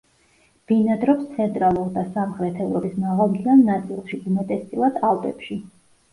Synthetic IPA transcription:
b̥inad̪ɾɔpst̪sʰɛnt̪ʼɾalˠuɾd̪asamχɾɛt̪ʰɛvɾɔbʼismaʁalˠt̪ʰianːat̪sʼilˠʃiumɛt̪ʼɛst̪ʼilˠad̪̥alˠp̪ʼɛpʃi

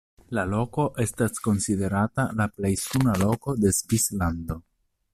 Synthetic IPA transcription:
lalo̞ko̞ʔe̞stasko̞nside̞ɾatalaplejsunalo̞ko̞de̞zvisland̪o̞

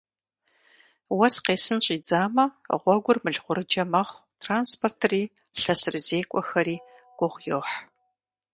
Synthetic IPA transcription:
wɔsqeːsɨnɕʼiːd͡zaːmɐʁʷɔɡʷʊrmɨɮʁʷʊɾɨd͡ʒɐmɐχʷ | tʰraːnspʰortʰɨriː | ɬɐsɨrzeːkʷʼɔxɐɾiː | ɡ̥ʷʊʁʷjoħ

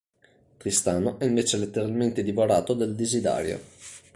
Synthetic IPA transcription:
t̪ɾist̪aːnoʔɛiɱveːt͡ʃelet̪ːeɾalment̪ed̪ivoɾaːt̪od̪eld̪izid̪a̰ːɾjo̰

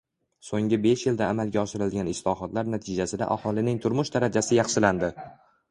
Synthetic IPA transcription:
soŋɪbe̞ʃjɪld̪aːmalˠɡʲaɒʃɪɾɪlɡʲanɪslˠɒɦɒt̪laɾnat̪ʰɪd͡ʒasɪd̪a̰ʔahɒlˠɪnɪŋt̪ʰʊɾmʊʃd̪aɾad͡ʒasɪjɑχʃɪland̪ɪ

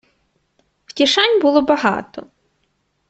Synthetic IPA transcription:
wtʲiʃɑnʲbʊlˠɔbɐɦɑ̰t̪ɔ

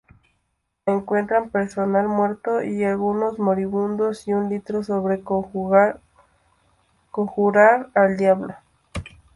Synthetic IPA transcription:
eŋkwe̞nt̪ɾampe̞ɾso̞nalmwe̞ɾt̪oʔialɣuno̞zmo̞ɾiβund̪osiunlit̪ɾosoβɾe̞ | koŋxuɾaɾald̪jaβlo

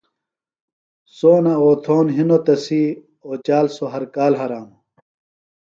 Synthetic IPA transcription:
soːnaoːt̪ʰoːnɦinot̪ɐsi | oːt͡ɕaːlsoɦɐɾkaːlɦɐɾaːm

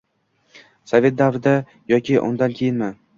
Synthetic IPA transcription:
sove̞t̪̚d̪avɾɪd̪a | jɒkʲʰɪʔʊ̰nd̪ankʲʰejɪnma

